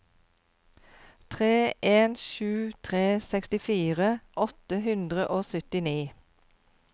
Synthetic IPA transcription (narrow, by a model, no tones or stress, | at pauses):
t̪ʰʁeːʔeːnʃʉːt̪ʰʁeːsɛkst̪ɪfiːʁəʔɔt̪əhʉnd̪ʁəʔoːsœt̪ɪniː